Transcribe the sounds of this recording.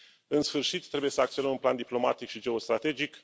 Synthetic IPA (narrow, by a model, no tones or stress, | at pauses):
ɨnsfɨrʃit̪ːɾebuje̞səakt̪sio̞nəmunpland̪iplo̞ma̰t̪ikʃid͡ʒe̞o̞st̪ɾat̪e̞d͡ʒik